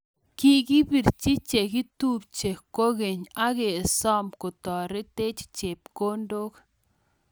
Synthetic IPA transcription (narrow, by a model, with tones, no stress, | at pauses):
ki˦ɡi˦bi˨ɾt͡ʃi˦t͡ʃe˨ki˦tu˦p̚t͡ʃe˨ko˦ɣe˨ɲa˦ɣe˨sɔ˦mko˨tɔ˨ɾɪ˦te˦t͡ʃt͡ʃe˨p̚ko˦ndo˦k